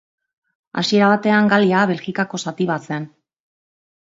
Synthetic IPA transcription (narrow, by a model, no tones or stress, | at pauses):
a̰sie̞ɾaβ̞at̪e̞aŋɡaliaβe̞lxikako̞sat̪iβat͡sen